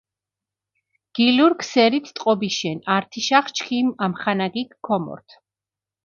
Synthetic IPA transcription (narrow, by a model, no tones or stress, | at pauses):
ɡ̥iluɾkʰsɛɾit̪ʰt̪ʼqʼɔbiʃɛnaɾt̪ʰiʃaχt͡ʃʰkʰimamχanaɡikkʰːɔmɔ̰ɾt̪ʰ